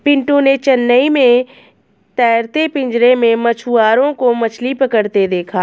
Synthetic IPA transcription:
pɪ̃ɳʈõnet͡ʃənːəimẽ | t̪ɛːɾt̪epɪ̃ɲd͡ʒɾemẽmɐt͡ʃʰuaːɾõkomɐt͡ʃʰlipəkəɾt̪ed̪eːkʰaː

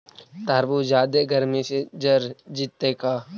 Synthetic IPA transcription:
t̪aːɾbud͡ʒaːd̪eɡʱəɾmẽsed͡ʒəɾd͡ʒɪt̪ːekaː

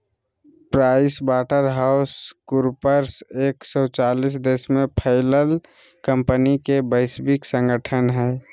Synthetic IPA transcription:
pɾaɪsbaːʈəɾɦaʊskʊɾpəɾseːksɔt͡ʃaːlis̬d̪eːsmẽpʰəɪləl | kə̃mpənikebəɪsbɪksə̃ŋɡəʈʰənɦɛ

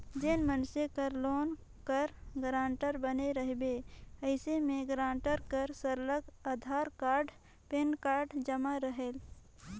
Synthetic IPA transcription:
d͡ʒenmənʃekəɾloːn | kəɾɡɾãːɳʈəɾbəneɾəɦbeəɪsemẽɡɾãːɳʈəɾkəɾsəɾləɡad̪ʱaːɾkaːɾɖ | penkaːɾɖd͡ʒəmaɾəɦel

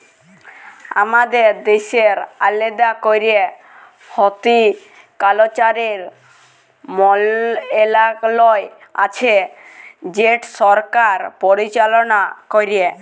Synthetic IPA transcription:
a̰mad̪eɾd̪eʃeɾaled̪akoɾie | hɔt̪i | kalot͡ʃaɾiɾ | mɔlelaklɔe | a̰t͡ʃʰe | d͡ʑeʈsɔɾkaɾpɔɾit͡ɕalɔnakoɾie

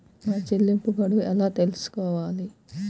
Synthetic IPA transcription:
maːt͡ʃelːimpuɡɐɽuɛlaːt̪e̞lusu̥kɔːʋaːli

